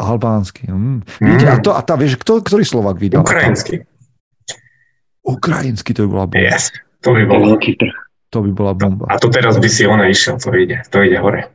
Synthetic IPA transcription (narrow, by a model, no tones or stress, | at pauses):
ʔalbaːnskim̩ʋitɛat̪ɔʔat̪aʋɪɛʃkt̪ɔkt̪ɔɾiːslɔʋaːɡʋid̪alkɾainski | ukɾajinskit̪ɔbibɔ̰labjɛ̰st̪ɔbibɔlɛlkit̪r̩x | t̪ɔbibɔlabɔmba̰at̪ɔt̪ɛɾazbisiɔnaiʃɛlt̪ɔiɟɛt̪ɔiɟɛɦɔɾɛ